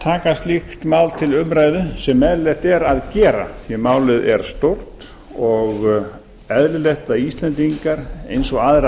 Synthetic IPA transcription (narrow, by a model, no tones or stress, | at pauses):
t̪ʰaːkast̪lixt̪maːwlt̪ʰɪlʏmɾaːjðʏsɛmːɛðɾlɛht̪ɛɾaðcɛːɾa̰θiɪmaːwlɪðɛɾ̥st̪owr̥t̪ | ɔɣ | ɛðlɪleht̪aist̪lɛnt̪iŋkaɾḛjnsɔɣaːðɾ